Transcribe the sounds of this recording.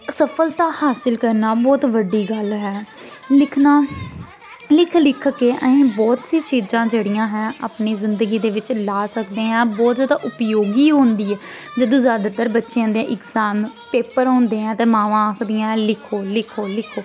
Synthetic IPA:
səpʰəlt̪ãːhaːsɪlkəɾnaːbɔːt̪ʋəɖiːɡəlɦɛː | lɪkʰnaː | lɪkʰlɪkʰkeːʔəẽːbɔːt̪siːt͡ʃiːd͡ʒãːd͡ʒəɽɪjãːɦɛ̃ːʔa̰ːpneːzɪnd̪əɡiːd̪eːʋɪt͡ʃlaːsəkd̪eːɦɛ̃ːbɔːt̪zaːd̪aːʔʊpjoːɡiːɦõːnd̪iːɛː | d͡ʒəd̪õːzaːd̪at̪əɾbətːʃjãːd̪ẽʔɪkzaːmpeːpəɾɦõːnd̪eːãːt̪eːmãːʋãːaːkʰd̪ɪjãːlɪkʰoːlɪkʰoːlɪkʰoː

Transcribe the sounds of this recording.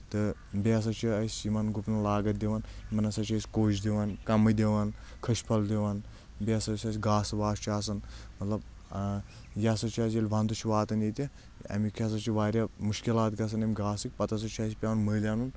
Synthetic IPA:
t̪ɨ | beɐs̬ɐt͡ʃʰiɐsʲimɐnɡupnɐlaːɡɐt̪̚d̪eʋɐnmɐnɐsɐt͡ʃʰiɐsʲkoːt͡ʃd̪iʋɐnkɐmɐd̪eʋɐnkʰɐʃʲpʰɐld̪iʋɐn | bʲeɐsɐsʲɐsʲɡaːsɨʋaːst͡ʃʰiaːsɐnmɐt̪lɐb̚ | jasɐt͡ʃʰias̬jelʲʋɐnd̪ut͡ʃʰiʋaːt̪ɐnjet̪ʲi | ɐ̰mikʰɐs̬ɐt͡ʃʰiʋaːɾʲjamuʃkilaːt̪ɡɐs̬ɐnɐmʲiɡaːsɨk̚ʲpɐt̪ɐs̬ɐt͡ʃʰiɐsʲpʲaʋɐnməːlʲaːnun

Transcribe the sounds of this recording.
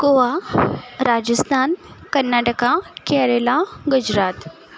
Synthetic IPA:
ɡoʋa | ɾad͡ʑəst̪ʰankənːaʈəkakɛɾelaɡud͡ʑɾat̪

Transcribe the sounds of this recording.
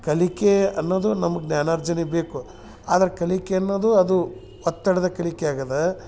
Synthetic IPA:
kɐlikeɐ̰nːoːd̪unɐmɐɡnjaːnaːɾd͡ʒɐnibe̞ːku | aːd̪ɐɾɐkɐlikeɐnːoːd̪uɐd̪u | ɔt̪ːɐɽɐd̪ɐkɐlikeaːɡɐd̪e

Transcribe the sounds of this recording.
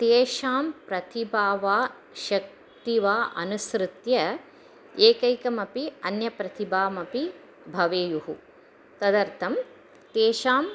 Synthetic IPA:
t̪eːʃaːmpɾɐt̪ibaːʋaː | ʃɐk̚ | t̪iʋaːʔɐ̰nusɾɨt̪jɐ | eːkɐjkɐmɐpiɐnjɐpɾɐt̪ibaːmɐpi | bʱɐʋeːjuɦu | t̪ɐd̪ɐɾt̪ʰɐm | t̪eːʃaːm

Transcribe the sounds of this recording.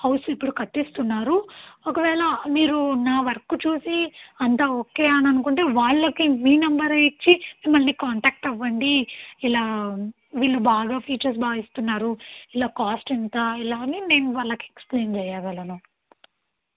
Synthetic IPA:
hɐwsipːuɽukɐt̪ːist̪unːaːɾuɔkɐʋɛːlɐmiːɾunaːʋɐɾɐkut͡ʃuːsiɐnt̪aːoːke̞ːɐnɐnukuɳʈe̞ːʋaːɭːɐkiʋiːnɐmbɐɾɐjit͡ʃːimimːɐlnikaːɳʈaːk̚ʈɐʋːɐɳɖiilaː | ʋiːɭːubaːɡaːpʰiːt͡ʃɐɾs̬baːʋist̪unːaːɾuilaːkaːsʈint̪aːilaːnineːnʋaːɭːɐkieksple̞ːnt͡ʃɛːjaːʋɐlɐnu

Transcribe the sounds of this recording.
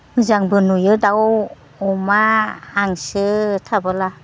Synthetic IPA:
mɯzaŋbɯnujɯdaw | ɔmaːŋsɯtʰabɯla

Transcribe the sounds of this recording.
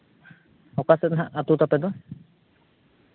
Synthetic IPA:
ɔkasɛt̪̚nɦaʔat̪ut̪apɛd̪ɔ

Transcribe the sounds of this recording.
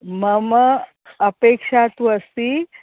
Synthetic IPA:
məmə | əpekʂat̪ʋəsi

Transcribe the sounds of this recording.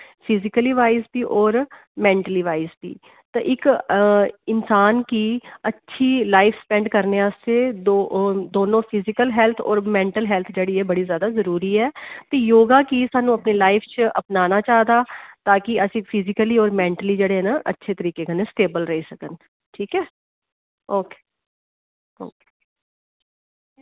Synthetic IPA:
pʰɪzɪkəliːʋaːɪzbiːʔɔːɾ | mɛ̃ːɳʈəliːʋaːɪzbḭː | t̪eːʔɪk | ɪnsaːnkiːətːʃʰiːlaːɪfʰspɛ̃ːɳɖkəɾneːəst̪ed̪od̪oːnõːpʰɪzɪkəlɦɛːlt̪ʰɔ̰ːɾmɛ̃ːɳʈəlɦɛːlt̪ʰd͡ʒeːɽiɛːbəɽiːzjaːd̪aːzəɾuːɾiːɛːt̪eːjoːɡaːkiːsaːnũːəpneːlaːɪfʰt͡ʃə̰pnaːnaːt͡ʃaːd̪aːt̪aːkɪəsĩːpʰɪzɪkəliːɔːɾmɛ̃ːɳʈəliːd͡ʒeːɽeɦɛːnaʔə̰tːʃʰeːt̪əɾiːkeːkənesʈeːbəlɾəɦiːsəkən | ʈʰiːkɛː | oːke̥ː | o̰ːkː

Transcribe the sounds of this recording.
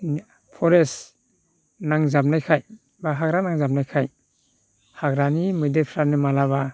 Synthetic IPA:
pʰɔɾes | naŋzab̚najkʰaj | baɦaɡɾanaŋzab̚najkʰaj | haɡɾanimɯdepʰɾanimalaβa

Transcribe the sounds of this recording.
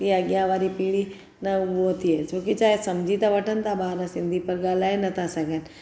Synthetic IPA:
kiɐɡjãʋaːɾipiːɽi | nɐʋoːt̪iɛt͡ʃoːkit͡ʃaːɦesɐmd͡ʒʱiːt̪aʋɐʈənt̪ʰabaːɾasɪ̃nd̪ʱipɐɾɡaːlaːɦenɐt̪asɐɡən

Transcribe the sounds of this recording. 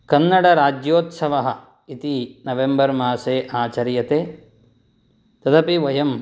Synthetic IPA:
kɐnːɐɽɐɾaːd͡ʒjoːt̪sɐʋɐɦɐ | it̪inɐʋembɐɾmaːseːʔaːt͡ʃɐɾjɐt̪eː | t̪ɐt̪ɐpiʋɐjɐm

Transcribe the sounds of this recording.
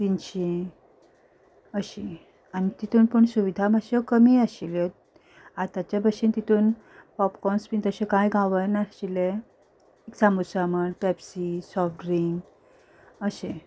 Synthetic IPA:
t̪iɲt͡ɕi | əɕi | anit̪it̪ʰuːnpəɳsuʋid̪ʱamaɕekəmiaɕile | at̪at͡ɕjabʱəɕint̪it̪ʰuːn | pɔpkɔnspint̪əɕekajɡʱaʋənaɕile | eksamusaməɽpɛbsisɔfʈɾiŋɡ | əɕe

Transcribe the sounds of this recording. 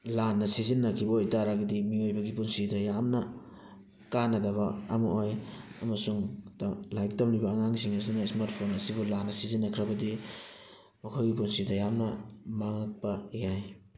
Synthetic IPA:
lanːɐsizinːɐkʰibɐojtaɾaɡidimiojbɐɡipunsidɐjamnɐ | kanːɐdɐβɐɐ̰mɐ̰ʔojɐ̰mɐsuŋtlajk̚tamlibɐːŋaŋsiŋɐs̬inaismaɾt̚pʰonɐsibulanːɐsizinːɐkʰɾɐbɐdi | mɐkʰawɡipunsidɐjamnɐmaŋɐk̚pɐjaj

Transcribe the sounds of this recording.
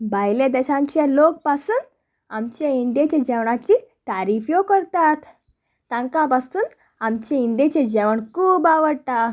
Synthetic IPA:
bʱajled̪əɕãɲt͡ɕelok̚pasuːn | amt͡ɕẽind̪jet͡ɕẽd͡ʑɛʋɳat͡ɕiːt̪aɾifjokəɾt̪at̪ː | ãŋkãbast̪uːn | amt͡ɕẽind̪et͡ɕed͡ʑɛʋəɳkuːbaʋəɽt̪a

